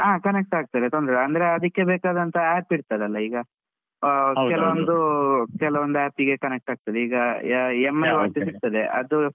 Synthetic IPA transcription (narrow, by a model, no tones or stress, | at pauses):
aːkɐnek̚ʈaːɡ̚t̪ɐd̪et̪ond̪ɾeɐnd̪ɐɾeɐd̪ɐkːe̞beːkaːd̪ɐnt̪ɐæːpiɽt̪ɐd̪eɐlːɐiːɡɐ | kɛlɐʋond̪ukɛlɐʋond̪uæːpiɡe̞kɐnek̚ʈaːɡ̚t̪ɐd̪eiːɡɐemːɐlʋɐt͡ʃisiɾ̚t̪ɐd̪eʔɐd̪u